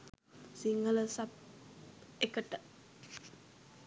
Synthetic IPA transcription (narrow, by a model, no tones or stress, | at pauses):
siŋələsap̚ | ekəʈə